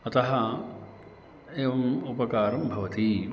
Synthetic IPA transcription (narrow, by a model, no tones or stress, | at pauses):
ɐt̪ɐɦɐ | eːʋɐmupɐkaːɾɐmbʱɐʋɐt̪i